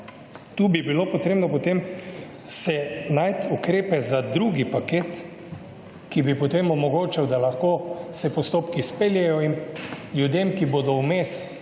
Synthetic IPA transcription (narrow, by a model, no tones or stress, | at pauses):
t̪uːbibilopɔt̪ɾeːbnɔpɔt̪em | sɛnajt̪ukɾeːpɛzad̪ɾuːɡipakeːt̪ | kibipɔt̪emɔmɔɡoːt͡ʃɛwd̪alaxkoːsɛpɔst̪oːpkispeljɛjɔinlʲjud̪emkibod̪ɔwmeːs